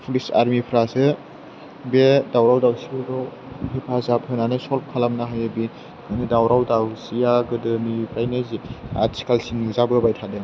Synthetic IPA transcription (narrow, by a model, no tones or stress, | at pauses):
pʰulisa̰ɾmipʰɾasɯ | bedawɾawdawsiudɔ | hipʰazap̚hɯnanɯsɔlp̚kʰalamnaɦajabi | kanɯdawɾawdawsijaɡɯdɯmipʰɾajnazia̰tsi̥kalsinuzabɯbajtʰadeŋ